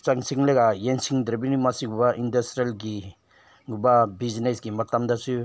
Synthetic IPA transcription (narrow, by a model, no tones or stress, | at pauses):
t͡ʃaŋsiŋleɡajensiŋdɾbinimasiɡubaʔindastɾielɡi | ɡubabiznesɡimatamdasu